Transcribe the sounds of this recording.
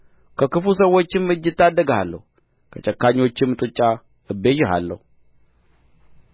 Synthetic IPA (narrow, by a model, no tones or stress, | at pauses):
kʰəkɨfus̬əwːot͡ʃːɪmːɨd͡ʒɨt̪ːad̪ːəɡhalːə̰hu | kʰət͡ʃʼəkːaɲːo̞t͡ʃːɪmːɨt̪ʼut͡ʃʼːa | ɨbeʒɪɦa̰lːə̰hu